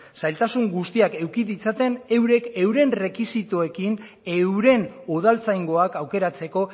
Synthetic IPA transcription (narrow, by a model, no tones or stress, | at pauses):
sajlt̪asuŋɡust̪iake̞wkiðit͡sat̪e̞ne̞wɾe̞ke̞wɾe̞nre̞kisit̪ue̞kin | e̞wɾe̞noð̞alt͡sajŋɡo̞akawke̞ɾat͡se̞ko̞